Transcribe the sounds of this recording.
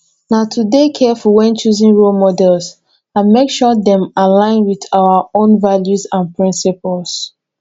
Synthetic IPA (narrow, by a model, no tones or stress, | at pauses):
naʊtʰudekʰɛfɔwɛ̃nt͡ʃuzĩŋɹulmɔdɛlˠs | ãnmekʃɔðɛ̃malãɪ̃nwiðaʊəõnvaljuzãnpʰɹĩnsipəlˠs